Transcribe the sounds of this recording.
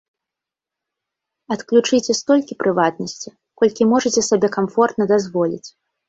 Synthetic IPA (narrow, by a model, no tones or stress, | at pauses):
ɐt̪klʲut͡ʂɨt͡sʲɛst̪ɔlʲkʲipɾɨvat̪nɐsʲt͡sʲi | kɔlʲkʲimɔʐɐt͡sʲɛsabʲɛkamfɔrt̪nɐd̪azvɔlʲḭt͡sʲ